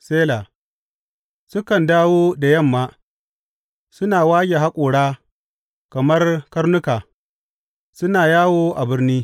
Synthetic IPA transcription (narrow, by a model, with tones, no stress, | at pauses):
seː˦laː˨ | sʊ˦kɐ˨ndaː˦woː˦da˨jɐ˦˨mːaː˦ | sʊ˦naː˨waː˦ɡʲe˨ɦa˦kʷʼoː˨ɽaː˦ | kɐ˨mɐ˦rkɐ˦rnʊ˦kaː˨ | sʊ˦naː˨jaː˦woː˦ʔa˨bɪ˦rniː˦